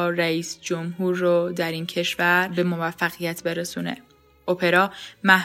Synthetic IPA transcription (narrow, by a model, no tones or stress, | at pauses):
ɾæiːsd͡ʒomɦuːɾːod̪æɾiːncʰe̞ʃvæɾbe̞mo̞væfːæɣijæt̪ʰbe̞ɾesuːne̞̰ | opʰeɾɒːmæh